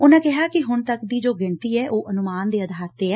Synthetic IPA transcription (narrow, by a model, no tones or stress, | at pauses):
ʊnãːkɛɦaːkɪɦʊnt̪əkd̪iːd͡ʒoːɡɪɳʈ̪iːɛːʔoːʔənʊmaːnd̪eːəd̪ʱaːɾt̪ːeːɛː